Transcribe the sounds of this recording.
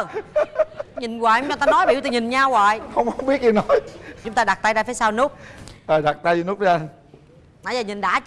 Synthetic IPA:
ɲï˨˩nɣwaː˨˩jŋ͡mt͡ɕɔ˨˩t̪aː˧nɔ˨˦jɓi˧˨˥wt̪a˨˩ɲï˨˩nɲaː˧wa̰ː˨jhə˧wŋ͡mhə˧wŋ͡mɓi˦˥ət̚ɲi˧˩nɔ˨˦jt͡ɕʊ˨˦ŋ͡mt̪aː˧ɗa˨˩t̪a˧jzaː˧˩feː˨˦jsaː˧wnu˦˥k͡p̚ʔəː˨˩ɗa˨˩t̚t̪a˧jzɨ˧nu˦˥ə˨˧˦ʔa˧n | naː˨˩jzaː˨˩ɲi˨˩nɗa̰ː˧˨˥t͡ɕ

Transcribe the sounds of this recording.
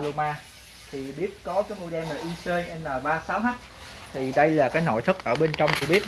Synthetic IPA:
lo˧maː˧ | t̪ʰi˨˩ɓi˦˥ət̚kɔ˨˦kaː˨˦jmo̰˧˩ɗɛ˧maː˨˩ʔi˧səː˧jʔə˧nlaː˨˩ɓaː˧saː˨˦wɦa˦˥k̚ | t̪ʰi˨˩ɗə˧jlaː˨˩kaː˨˦jno̰˧˨jt̪ʰɨ˦˥k̚ʔəː˧˩ɓe˧nt͡ɕɔ˧wŋ͡mki˧˥ɓi˦˥ət̚

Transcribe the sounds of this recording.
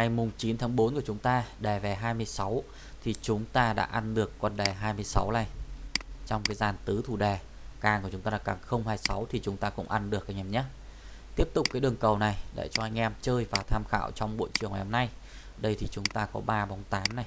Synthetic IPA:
ŋa˨˩jmʊ˨˩ŋ͡mt͡ɕi˨˦nt̪ʰaː˨˦ŋɓo˨˦nku˧˩ət͡ɕʊ˨˦ŋ͡mt̪aː˧ɗɛ˨˩vɛ˨˩ɦaː˧jmɨ˧əjsa˨˦w | t̪ʰi˨˩t͡ɕʊ˨˦ŋ͡mt̪aː˧ɗa̰ː˧˥ʔa˧nɗɨ˨˩əkːɔ˧˩nɗɛ˨˩ɦaː˧jmɨ˧əjsa̰˨˦wla˧˩j | t͡ɕɔ˧wŋ͡mkaː˨˦jzaː˨˩nt̪ɨ˨˦t̪ʰu˨˩ɗɛ˨˩ | kaː˧˩nkt͡ɕʊ˨˦ŋ͡mt̪aː˧a˧˩kaː˨˩xə˧wŋ͡mɦaː˧jsa˨˦wt̪ʰi˨˩t͡ɕʊ˨˦ŋ͡mt̪aː˧kʊ̰˧˥ŋ͡mʔa˧nɗɨ˨˩ək̚ʔa˧jŋʔɛ˧mɲa˦˥t̚ | t̪i˦˥əp̚t̪ʊ˨˩k͡p̚kaː˨˦jɗɨ˨˩əŋkə˨˩wna˨˩jɗḛ˧˨t͡ɕɔ˧ʔa˧jŋ̟ʔɛ˧mt͡ɕəː˧jvaː˨˩t̪ʰaː˧mxa̰ː˧˨wt͡ɕɔ˧wŋ͡mɓo̰˧˨jt͡ɕɨ˨˩əŋːna˨˩ho˨mna˧j | ɗə˧jt̪ʰi˨˩t͡ɕʊ˨˦ŋ͡mt̪aː˧kɔ̰˨˦ɓaː˧ɓɔ˨˦wŋ͡mt̪aː˨˦mna˨˩j

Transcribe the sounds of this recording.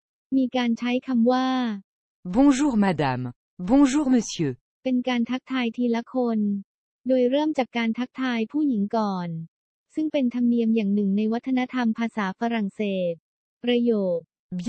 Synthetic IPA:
miː˧kaː˧nt͡ɕʰa˦˥jkʰa˧mwaː˥˩ | bɔ̃˧ʒuː˦˥ʁma˧d̪am | bɔ̃˧ʒuː˦˥ʁmə˧sjøː˧ | pe˧nkaː˧nt̪ʰa˦˥k̚t̪ʰaː˧jt̪ʰiː˧la˦˥kʰo˧n | doː˧jɾɤː˥˩əmt͡ɕaː˨˩kːaː˧nt̪ʰa˦˥k̚t̪ʰaː˧jpʰuː˥˩ji˩˦ŋkɔː˨˩n | sɯ˥˩ŋpe˧nt̪ʰa˧mni˧əmjaː˨˩ŋnɯ˨˩ŋna˧jwa˦˥t̪ʰːa˧na˦˥t̪ʰa˧mpʰaː˧saː˩˦fa˧ɾa˨˩ŋseː˨˩t̪̚ | pɾa˧joː˨˩t̪̚ | b

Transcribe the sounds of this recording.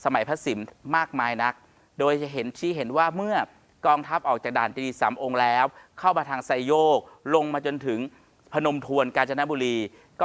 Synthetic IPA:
sa˧ma˩˦jpʰa˦˥si˩˦mmaː˥˩k̚maː˧jna˦˥k̚ | doː˧jt͡ɕa˨˩ɦe˩˦nt̪ʰiː˥˩ɦe˩˦nwaː˥˩mɯ˥˩ɐ | kɔː˧ŋt̪ʰa˦˥p̚ʔɔː˨˩k̚t͡ɕaː˨˩daː˨˩nt͡ɕːiː˧saː˩˦mʔo˧ŋlɛː˦˥wkʰa˥˩wmaː˧t̪ʰaː˧ŋsa˧jjoː˥˩k̚lo˧ŋmaː˧t͡ɕo˧nt̪ʰɯ˩˦ŋ | pʰa˧no˧mt̪ʰu˧ənkaː˧nt͡ɕʰa˧na˦˥buː˧ɾiː˧ | kɔː˥˩

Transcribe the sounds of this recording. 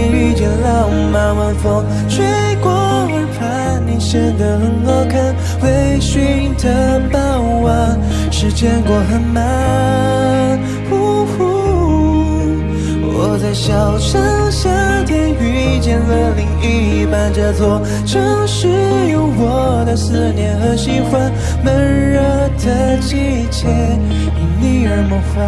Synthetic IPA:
y˧t͡ɕjɛ˧nla˥˧˩ma˧nma˧nfɑ˥ŋ | ʂwe˥ɪkwɔ˥ | wə˧˥pʰa˧˥ | nni˨˩ʂə˥nd̪ə˨˩xə˧˥nɑ˥kʰa˥n | we˧˥ɪɕy˧˥ŋt̪ʰə˥pa˥˧˩nu˧˥wa˧˥n | ʂɻ̩˧˥t͡ɕjɛ˥˧nkɔ˧˩xə˧˥nma˧˦ | xu˧˥ | xu˥˧ | wɔ˧˩t͡sa˥˩ɪɕjɑ˨˩ʊʂa˧˥ŋɕjɑ˥ | t̪ɛ˧˥ny˥t͡ɕjɛ˧˥nwə˧˩nli˧˥ŋy˥˩ | pa˧˩nʈ͡ʂə˧t͡swɔ˧˩ | ʈ͡ʂʰɤ˧˥ŋʂɻ̩˧˥ | jo˧˥ʊwɔ˨˩ | d̪ə˧sɹ̩˥˩njɛ˧˥nxɤ˧˥ɕi˥fwa˥n | mə˧˥ɻə˥ | d̪ʰə˧˦ | t͡ɕi˥˧ | t͡ɕʰjɛ˥ | i˨˩ni˥˩ə˧˥mɔ˧˥fa˧

